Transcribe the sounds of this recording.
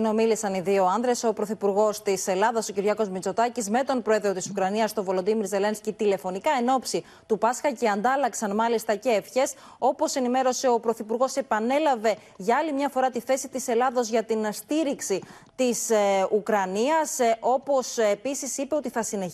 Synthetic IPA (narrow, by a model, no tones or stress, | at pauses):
no̞milisɐniðio̞ɐnðɾe̞so̞pɾo̞θipuɾɣo̞st̪ise̞lɐðɐso̞ciɾʝɐko̞zmit͡so̞t̪ɐcizme̞t̪o̞npɾo̞e̞ðɾo̞t̪isukɾɐniɐst̪o̞vo̞lod̪imiɾze̞lenscit̪ile̞fo̞nikɐeno̞psi | t̪upɐskɐceɐnd̪ɐlɐksɐnmɐlist̪ɐceːfçe̞s | o̞po̞se̞nime̞ɾo̞se̞o̞pɾo̞θipuɾɣo̞se̞pɐne̞lɐve̞ | ʝɐɐlimɲɐfo̞ɾɐt̪iθe̞sit̪ise̞lɐðo̞zʝɐt̪inst̪iɾiksi | t̪isukɾɐniɐso̞po̞se̞pisisipe̞o̞t̪iθɐsine